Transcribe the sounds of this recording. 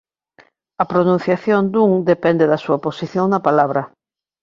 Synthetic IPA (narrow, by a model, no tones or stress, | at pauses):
ɐpɾonũn̟θjaθjond̪uŋd̪epɛnd̪eðɐsuɐposiθjoŋnɐpalaβɾɐ